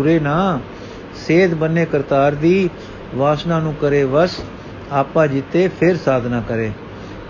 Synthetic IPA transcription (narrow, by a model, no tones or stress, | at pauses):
ɾeːnaː | seːd̪bəneːkəɾt̪aːɾd̪iː | ʋaːsnãːnũːkəɾeːʋəs | aːpãːd͡ʒɪt̪eːpʰɪɾsaːd̪ʱnãːkəɾeː